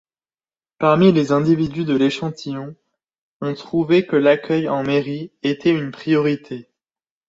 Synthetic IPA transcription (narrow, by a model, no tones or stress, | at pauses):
paʁmilezɛ̃d̪ivid̪yd̪əleʃɑ̃t̪ʰijɔ̃ | ɔ̃t̪χuvɛkəlakʲœjɑ̃meʁiet̪ʰɛynpχijɔʁit̪ʰe